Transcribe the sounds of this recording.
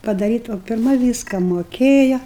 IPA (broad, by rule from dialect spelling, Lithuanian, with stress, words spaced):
pɐdɐˈrʲiːtɐ oː pʲɪrˈmɐ ˈʋʲiːskɐ moːˈkʲeːjɛ